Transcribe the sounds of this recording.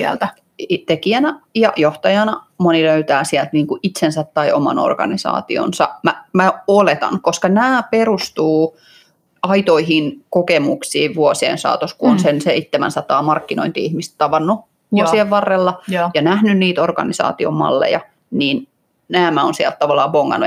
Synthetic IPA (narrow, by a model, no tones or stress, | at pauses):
siæ̰lt̪æ | t̪ekiænæjɑjoht̪ɑjɑnɑmoniløyt̪æːsiælt̪niːŋkuʔit̪sensæt̪tɑiʔomɑ̰no̰rɡ̥ɑ̰nisɑ̰ːt̪io̰nsɑmæmæolet̪ɑ̰ŋkoskɑnæːperust̪uː | ɑit̪oiɦinkokemuksiːʋʋuosiḛnsɑ̰ːt̪oskuonsenseit̪ːemæ̰nsɑt̪ɑːmɑrkːino̰int̪iihmist̪t̪ɑʋɑnːu | osieʋʋɑrːelːɑjɑnæhnynniːt̪orɡɑ̰nisɑ̰ːt̪io̰mːɑ̰lːḛjɑ | niːn | næːmæonsiælt̪t̪ɑʋɑlːɑːboŋːɑ̰nːu